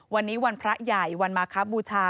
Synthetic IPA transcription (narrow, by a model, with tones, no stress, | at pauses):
wa˧nːiː˦˥wa˧npʰɾa˦˥ja˨˩jwa˧nmaː˧kʰa˦˥buː˧t͡ɕʰaː˧